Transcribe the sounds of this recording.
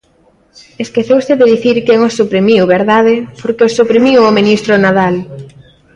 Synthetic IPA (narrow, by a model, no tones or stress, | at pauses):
eskeθewseðeðiθiɾkeŋosːupɾimiwβeɾðaðɪpoɾkeosupɾimiwominist̪ɾonaðal